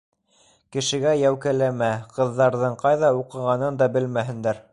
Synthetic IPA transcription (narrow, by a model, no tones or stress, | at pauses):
kɘ̆ʃɘ̆ɡæjæwkælæmæqɤ̆ðːɑɾðɤɴqɑjðɑuqɤ̆ʁɑnɤnd̪ɑbɘlmæɦɘ̆nd̪æɾ